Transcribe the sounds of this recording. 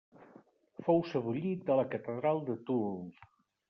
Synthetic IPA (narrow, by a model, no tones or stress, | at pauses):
fowsəβuʎit̪̚d̪ələkət̪əðɾalˠd̪ət̪u